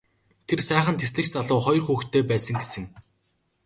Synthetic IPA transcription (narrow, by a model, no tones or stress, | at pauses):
t̪ʰersæːχə̆nt̪ʰes̬ɮɘ̆t͡ɕt͡saɮʊːχɔj̆rxuːxt̪ʰeːpæːsə̆ŋɡe̥sɘ̆ŋ